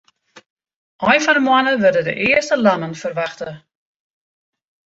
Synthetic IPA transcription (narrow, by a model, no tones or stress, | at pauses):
ʔɔjfɔndəmwanəʋərdədə̰ʔɪərstəlanənfərʋaxtə